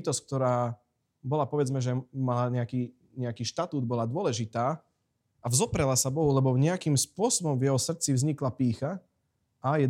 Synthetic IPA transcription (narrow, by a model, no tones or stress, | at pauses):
t̪ɔsck̚t̪ɔɾaː | bɔlapɔʋɛd͡zmɛʒɛmalaɲɛakiː | ɲɛakiːʃt̪at̪uːd̪̚bɔlad̪ʊɔlɛʒit̪aː | avzɔpɾɛlasabɔɦulɛbɔvɲɛakimspʊɔsɔbɔmvjɛɦɔsr̩t͡sivzɲiklapiːxa | ajɛ